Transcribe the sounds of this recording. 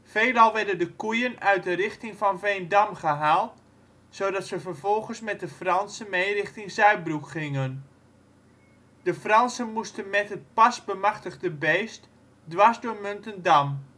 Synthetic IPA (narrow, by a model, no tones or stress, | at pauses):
fejlɑlˠʋɛrdəndəkujənœɥt̚dərɪχtɪŋvɑnvejndamχəɦaːlˠt | sowdɑtsəvərvɔlˠχənsmɛt̚dəfrɑnsəmejrɪχtɪŋsœɥ̚brukχɪŋən | d̥əfrɑnsənmustənmɛtɦət̚pɑsbəmaχtəχdəbeːst | dʋasdʊːɹmɵntəndam